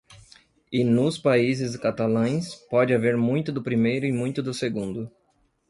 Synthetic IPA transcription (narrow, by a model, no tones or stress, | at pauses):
ɪnʊspaizɪskat̪alɐ̃j̃spɔd͡ʒɪaveɾmũj̃t̪ʊd̪ʊpɾimejɾʊɪmũj̃t̪ʊd̪ʊseɡũnd̪ʊ